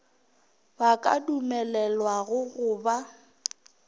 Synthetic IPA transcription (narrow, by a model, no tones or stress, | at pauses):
bakʼa̰dumɛlɛlwaɣʊɣʊːba